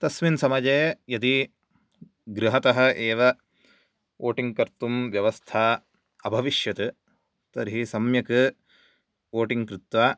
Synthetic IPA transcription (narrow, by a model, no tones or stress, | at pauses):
t̪ɐsminsɐmɐd͡ʒeːjɐd̪i | ɡɾɨɦɐt̪ɐɦɐ̆ʔeːʋɐ | ʔoːʈiŋɡkɐɾt̪umʋjɐʋɐst̪ʰaː | ɐbʱɐʋiʃjɐt̪ɨ | t̪ɐɾɦisɐmjɐkɨ | oːʈiŋɡkɾɪt̪ʋaː